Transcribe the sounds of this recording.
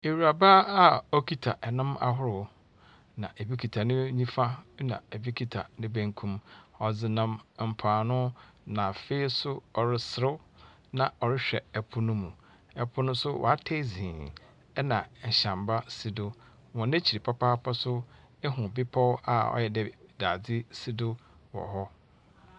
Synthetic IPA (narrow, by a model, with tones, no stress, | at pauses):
e˨wu˨ɾa˨ba˦a˦ɔ˦kʰi˦tʰa˨ʔɛ˨nʊ̃˦ma̰˦ɦʊ˦ɾʊ˨˦ | nã˨ʔe˨bi˦kʰi˨tʰa˨nɪ̃˦ɲĩ˦fa˦nã̰˨e˨bi˦kʰi˦tʰa̰˨nɪ̃˦bæ̃˦ŋkʰũ˦mɔ˨d͡zɪ˨nã˦mm̩˨pʰaː˨nʊ̃˦nã˨fe˦sʊ˦ɔ˨ɾɪ˦sɪ˨ɾʊ˦ | nã˨ɔ˨ɾɪ˦ɕᶣɛ˨ɛ˨pʰʊ˦nʊ̃˦mũ˨ | ɛ˨pʰʊ˦nʊ̃˦sʊ˦wʔɔ̰˨a˦tʰe˦˨zĩː˨ | ɛ˦nã˨ɕã˨mba˦si˦dʊ˦ | wɔ̃˨nẽ˦t͡ɕʰi˨i˨pʰa˦pʰaː˦pʰa˦sʊ˦ | ɛ˦ɦʊ̃˨bɪ˦pʰɔ˦wa̰˨ɔ̰˦jɛ˨dɛ˨daː˨d͡zɪ˦si˦dʊ˦ | wɔ̰˨ɦɔ˦